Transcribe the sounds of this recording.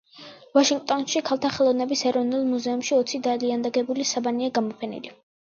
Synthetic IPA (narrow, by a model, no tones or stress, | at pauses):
vaʃiŋɡ̚t̪ʼɔnʃikʰalˠt̪ʰaχɛlˠɔvnɛbisɛɾɔvnulˠmuzɛumʃiɔt̪sʰid̪aliand̪aɡɛbulisabaniaɡamɔpʰɛnḭli